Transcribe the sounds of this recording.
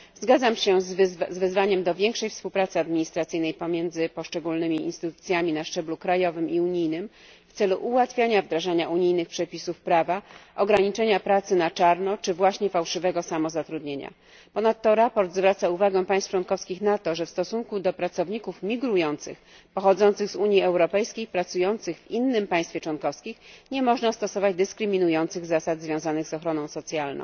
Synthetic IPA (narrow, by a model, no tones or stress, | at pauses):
zɡad̪zamɕɛzzvɛzvaɲɛmd̪ɔvʲjɛŋkʂɛjfspuwpɾat̪sɘad̪mʲiɲist̪ɾat̪sɘjnɛjpɔmʲjɛnd̪zɘpɔʂt͡ʂɛɡulnɘmʲiḭnst̪ɘt̪ut̪sʲjamʲinaʂt͡ʂɛblukɾajɔvɘmiuɲijnɘm | ft̪sɛluʔuwat̪fʲjaɲavd̪ɾaʐaɲaʔuɲijnɘxpʂɛpʲisufpɾavaʔɔɡɾaɲit͡ʂɛɲapɾat̪sɘnat͡ʂaɾnɔt͡ʂɘvwaɕɲɛfawʂɘvɛɡɔsamɔzat̪ɾud̪ɲeɲa̰ | pɔnat̪ːɔɾapɔɾd̪zvɾat̪sauvaɡɛ̃pajst̪ft͡ʂwɔnkɔfskʲixnat̪ɔʐɛfst̪ɔsuŋkud̪ɔpɾat̪sɔvɲikufmʲiɡɾujɔnt̪sɘ̰x | pɔxɔd̪zɔnt̪sɘɣzuɲjiɛwɾɔpɛjskʲejpɾat̪sujɔnt̪sɘɣvinːɘmpaj̃st̪fʲeɛt͡ʂwɔnkɔfskʲixɲɛmɔʐnast̪ɔsɔvad͡ʑd̪ɘskɾɘmʲinujɔnt̪sɘɣzasad̪zvʲjɔ̃w̃zanɘɣzɔxɾɔnɔ̃w̃sɔt̪sʲjalnɔ̰̃w̃